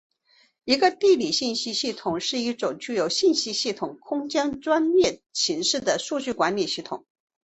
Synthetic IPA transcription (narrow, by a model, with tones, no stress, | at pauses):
i˧˥ɡə˧t̪i˥˩li˨˩ɕi˥˩nɕi˥ɕi˥˩t̪ʰʊ˨˩˦ŋʂɻ̩˥˧i˥˩ʈ͡ʂʊ˨˩ŋt͡ɕy˥˧jo˨˩˥ʊɕi˥˩nɕi˥ɕi˥˩t̪ʰʊ˨˩˦ŋkʰʊ˥ŋt͡ɕjɑ˥ŋʈ͡ʂwa˥nljɛ˥˩t͡ɕʰi˧˥ŋʂɻ̩˥˩d̪ə˩ʂu˥˧t͡ɕy˥˩kwa˧˥nli˨˩ɕi˥˩t̪ʰʊ˨˩˦ŋ